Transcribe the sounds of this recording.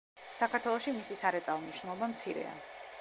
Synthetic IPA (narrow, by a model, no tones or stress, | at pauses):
sakʰaɾt̪ʰwɛlˠɔʃimisisaɾɛt̪sʼavniʃnulˠɔbamt̪sʰiɾɛ̰a̰